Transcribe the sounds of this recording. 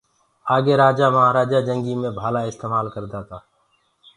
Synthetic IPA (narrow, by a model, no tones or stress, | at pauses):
aːɡeːɾaːd͡ʒaːməɦaːɾaːd͡ʒaːd͡ʒə̃ŋɡiːmẽbʱaːlaːɪst̪eːmaːlkəɾd̪aːt̪aː